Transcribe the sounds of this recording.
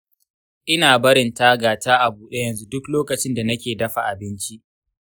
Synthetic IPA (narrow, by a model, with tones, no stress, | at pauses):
ʔɪ˦naː˨bɐ˦ɾɪ˨ntaː˦ɡaː˨taː˦ʔa˨buː˨ɗe˦jɐ˨nzu˦dʊ˦kloː˦kɐ˨t͡ʃɪ˦nda˨nɐ˦kʲeː˨dɐ˦ɸa˨ʔa˨bɪ˦nt͡ʃi˦ʔ